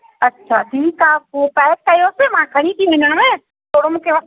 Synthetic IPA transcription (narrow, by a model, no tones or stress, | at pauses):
ɐtːʃʰaːʈʰiːkaːupɛːt̚kɐjosemãkʰɐɽ̃ĩt̪ʰiʋɪɲəɽ̃mẽː | t̪oːɽ̤ʊmũkʰeʋɐ